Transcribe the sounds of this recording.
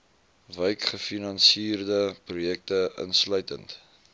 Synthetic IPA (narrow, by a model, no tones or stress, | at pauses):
vəjkχəfinɐnsiːrdəprujɛk̚təə̰nslœɥtənt